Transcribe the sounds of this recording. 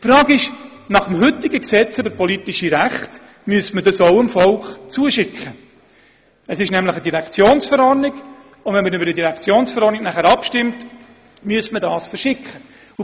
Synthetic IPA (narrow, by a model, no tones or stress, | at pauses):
fɾɑːɡɪʃ | nɑχəmɦʏtːɪɡəksɛt͡søbəɾpɔlitiʃiɾæχt | myəstmədɑsoʊəmfɔlkχt͡suəʃɪkχə | əsɪʃnɛmləχədiɾɛkt͡sjoːnsfəɾɔrnɪɡ | ʊnvɛnməɾʏbəɾdidiɾɛkt͡sjoːnsfəɾɔɾniknæχæɾɑpʃtɪmt | myəstmədɑːsfəɾʃɪkχə | u